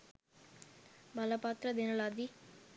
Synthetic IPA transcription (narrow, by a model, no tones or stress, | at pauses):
bɐlɐpaːt̪ɾɐd̪enɐlaːd̪i